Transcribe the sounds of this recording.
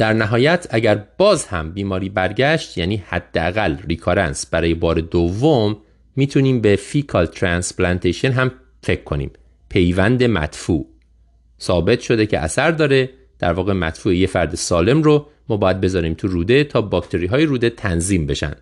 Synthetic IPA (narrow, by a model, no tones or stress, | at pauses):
d̪̥æɾnæɦɒːjæt̪ʰæɟæɾb̥ɒːzhæmbiːmɒːɾiːbæɾɟæʃt̪jæːniːhæd̪̥ːeæɣælrikʰɒɾænsb̥æɾɒːje̞bɒːɾe̞d̪ovːomː | iːt̪ʰuniːmbe̞fiːkʰɒlt̪ʰɾænsplænt̪ʰeʃonɦæm | fe̞cʰkʰːo̞nḭːm | pʰe̞jvænd̪e̞mæ̰t̪fṵːʔ | sɒːbe̞t̪ʰʃo̞d̪e̞cʰe̞̰ʔæ̰sæɾd̪ɒːɾe̞ | d̪̥æ̰ɾvɒːɣe̞mæ̰t̪fuːejefæɾd̪esɒːle̞mɾo | mɒːbɒːjæd̪̚be̞zɒːɾiːmt̪ʰuɾuːd̪et̪ʰɒːbɒːkt̪ʰe̞ɾiːɦɒːjeɾuːd̪e̞t̪ʰænziːmbe̞ʃæ̰nd̪̥